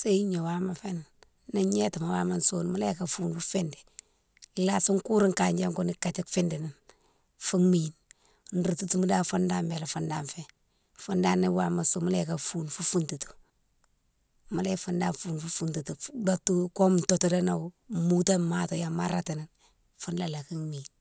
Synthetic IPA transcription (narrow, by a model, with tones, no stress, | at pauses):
se˦i˦ɲo˨wa˦ma˨fe˦na˨n | na˦ɲe˦ta˨ma˨wa˦ma˦nso˦nma˦le˦ka˨fuː˦nfu˦fe˦ndɛ˨ | la˦su˦ŋku˦ɾi˦ŋka˨ɲd͡ʒe˦ŋko˦ni˦ka˨t͡ʃi˦kfɪ˦ndi˨ni˨n | fu˦ŋmin | n̩ɾu˨tu˦tu˦mu˦da˦fa˦nda˦mbe˨la˨fu˦nda˨nfe˨ | fu˦nda˦nːi˦wa˨ma˨nso˦ma˦le˦ka˨fu˦nfu˦fu˦ntu˨tu̥˨ | ma˦le˦fu˦nda˦nfuː˨nfu˦fu˦ntu˨tu˨da˦tːu˦ko˦m˨nto˦to˦de˦na˨˦mu˦ta˦ma˦to˨ja˨ma˦ɾa˦ti˨ni˨n | fu˦nda˨la˨ki˦ŋmi˨n